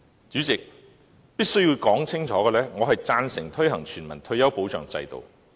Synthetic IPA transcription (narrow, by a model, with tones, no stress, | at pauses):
t͡ʃyː˨˥t͡sɪ˨k̚ | piː˥k̚sɵ˥jiː˧wkɔː˨˥ŋt͡sʰɪ˥ŋt͡ʃʰɔː˨˥ɡɛː˧lɛː˥ŋɔː˨˧ɦɐ˨jt͡saː˧nsɪ˨˩ŋt̪ʰɵ˥ɥɦɐ˨˩ŋt͡ʃʰyː˨˩nmɐ˨˩nt̪ʰɵ˧ɥjɐ˥wpo˨˥wt͡ʃœ̰ː˨˩ŋt͡sɐ̰˧jt̪o̰˨w